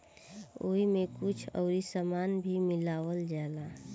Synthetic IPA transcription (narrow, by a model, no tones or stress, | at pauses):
oːimẽkʊt͡ʃʰɔ̰ːɾisamaːnbʱimɪlaːʋəld͡ʒaːla